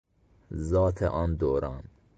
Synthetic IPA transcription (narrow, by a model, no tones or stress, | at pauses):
zɒːt̪ʰḛʔɒnd̪oːɾɑːn